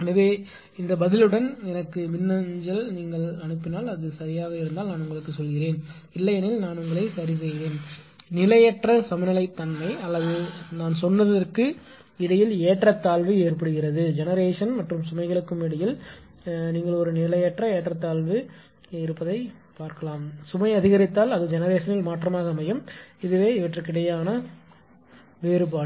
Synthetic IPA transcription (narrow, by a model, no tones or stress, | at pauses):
nɐʋeː | ɪnd̪ɐbɐðɪlɯɽɐnɛnɐkːɯmɪnːɐɲd͡ʒɐlniːŋɡɐɭɐnɯpːɪnaːlɐðɯsɐɾɪjaːɣɐɪɾɯnd̪aːlnaːnʊŋɡɐɭɯkːɯsɔlɣɪɾeːn | ɪlːɐjɛnɪlnaːnʊŋɡɐɭɐɪsɐɾɪs̬ɛjɪʋeːn | nɪlɐjɛʈrɐsɐmɪnɪlɐɪt̪ːɐnmɐɪɐlːɐðɯnaːnsɔnːɐðɐrkɯ | ɪɽɐjɪleːʈrɐt̪ːaːlʋɯeːrpɐɽɯɣɪrɐðɯd͡ʒɛnɐɾeːʂɐnmɐʈrɯmsʊmɐɪɣɐɭɯkːɯmɪɽɐjɪl | niːŋɡɐɭɔɾɯnɪlɐjɛʈrɐeːʈrɐt̪ːaːlʋɯ | ɪɾɯpːɐðɐɪ | paːɾkɐlaːmsʊmɐɪɐðɪɣɐɾɪt̪ːaːlɐðɯd͡ʒɛnɐɾeːʂɐnɪlmaːʈrɐmaːɣɐmɐjɯmɪðɯʋeːɪʋɐʈrɯkːɪɽɐjaːnɐ | ʋeːɾɯpaːɽ